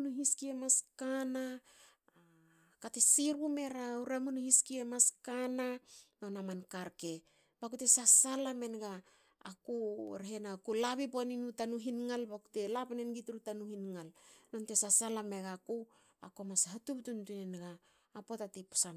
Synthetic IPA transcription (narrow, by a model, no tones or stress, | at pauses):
nuɦiskiemaskana | katesiɾume̞ɾauɾamunuhiskiemaskanano̞namankaɾke | bakute̞sasalame̞nɡaː | kṵɾɦe̞nakulaβiponinutanuɦinŋalbaku̥te̞lapnenɡituɾutanuhinŋalno̞nte̞sasalame̞ɡaku | a̰ko̞mashatuptuntunenɡaː | po̞tatipo̥san